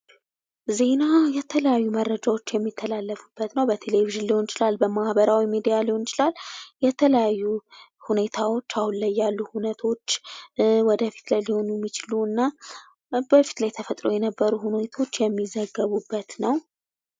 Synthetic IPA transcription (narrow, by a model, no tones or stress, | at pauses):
ze̞najɛt̪ʰələjajːumərːəd͡ʒawo̞t͡ʃːjɛmːit̪ʰːəlalːəfubːət̪nəwbət̪ʰe̞leviʒɪnlihont͡ʃɪlalbəmahbəɾawimed̪ijaliho̞nɪt͡ʃɪlalːjɛt̪ʰələjajːuhune̞t̪ʰawo̞t͡ʃːahunləjːalːuhunət̪ʰo̞t͡ʃːwɔd̪əfi̥t̪lajliho̞nujɛmːit͡ʃɪluɨnːa | bəfi̥t̪lajt̪ʰəfət̪ʼɾo̞jɛnəbːəɾuɦunet̪ʰo̞t͡ʃːjɛmːizəɡːəβubːət̪nəw